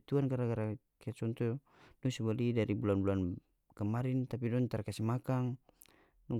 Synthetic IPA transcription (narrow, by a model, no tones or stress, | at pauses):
t̪uankaɾaɡaɾa | kat̪̚t͡ʃɔnt̪u | dusubalidaɾibulanbulan | kəmaɾint̪apidɔnt̪arkasimakaŋ | nɔ